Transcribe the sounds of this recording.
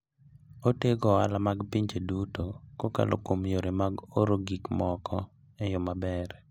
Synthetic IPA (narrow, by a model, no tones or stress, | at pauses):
oteɡɔalamaɡpiɲd͡ʒedutokoka̰lʔo̰komjoɾemaɡoɾoɡikmɔkʰɔ | ejɔmabɛɾ